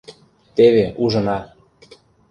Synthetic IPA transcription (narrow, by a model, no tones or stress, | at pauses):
t̪eβeuʒɤ̆nɑ